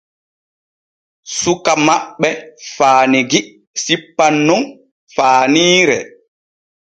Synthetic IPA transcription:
sukamaɓːɛfaːniɡi | sipːanːum | faːniːɾɛ̰

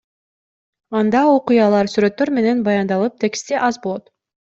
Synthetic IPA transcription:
ɑnd̪ɑoqʊjɑlˠɑɾsyɾø̞t̪ːøɾme̞ne̞nbɑjɑnd̪ɑlˠɯp̚t̪ʰe̞kst̪eʔɑzbolˠot̪

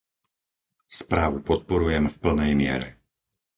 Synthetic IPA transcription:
spɾaːʋupɔt̪̚pɔɾujɛmfpl̩nɛjmɪɛ̰ɾɛ̰

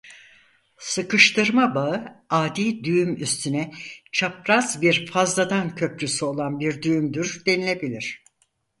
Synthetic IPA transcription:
sɯkɯʃt̪ʰɯɾmabaɯaːd̪iːd̪yjymyst̪ʰynɛt͡ʃʰapɾazbiɾfazd̪ad̪ancʰø̞pɾysyo̞lˠanbiɾd̪yjymd̪yɾd̪e̞nilʲe̞bilʲiɾ̝̥

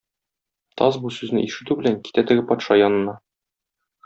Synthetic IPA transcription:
t̪ʰɒzbusʉznɘ̰ʔiʃɘ̆t̪ʉbɘ̆læŋki̥t̪æt̪ɘ̆ɡɘpɒt̪ʃɑjɒnɤ̆nɑ

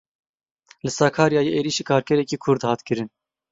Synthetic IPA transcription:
lɨsɑːkʰɑːɾjɑːjeʔeːɾiːʃiːkʰɑːɾkʲʰɛɾɛkiːkʰʊɾd̪hɑːt̪kɨɾɨn

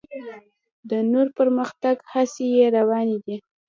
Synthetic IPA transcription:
d̪ənoɾpəɾməxt̪aɡhasejeɾawɑned̪i

